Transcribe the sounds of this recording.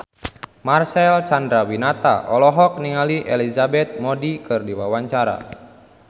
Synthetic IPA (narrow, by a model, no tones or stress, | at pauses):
marsɛlt͡ʃandɾawinat̪a̰ʔɔlɔɦɔk̚niŋaliʔɛlizabɛt̪̚mɔdikɨrdiwawaɲt͡ʃaɾa̰